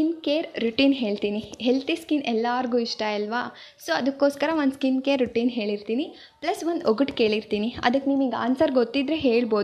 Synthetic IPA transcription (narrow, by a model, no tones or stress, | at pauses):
kinkeːɾɾuʈiːnɦe̞ːɭt̪iːniɦelt̪ʰiskinɛlːaːɾɡuːiʂʈɐɐlʋa | soːɐd̪ɐkːoːskɐɾɐʋond̪skinkeːɾːuʈiːnɦe̞ːɭiɾt̪iːni | plɐsʋond̪oɡɐʈke̞ːɭiɾt̪iːniɐ̰d̪ɐkːeniːʋiːɡa̰ːnsɐɾɡot̪ːid̪ɾeɦe̞ːɭbo̞ːd̪